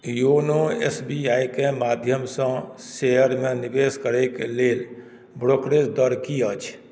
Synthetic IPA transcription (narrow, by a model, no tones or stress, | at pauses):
jonoḛsbiaːikemaːd̪ʱjəmsə̃sejəɾmẽnibeːskəɾekeleːl | bɾokɾesd̪əɾkiət͡ʃʰ